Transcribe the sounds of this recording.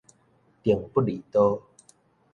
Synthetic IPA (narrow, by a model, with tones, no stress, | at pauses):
t̪i˨˩əŋpu˦li˨t̪o˦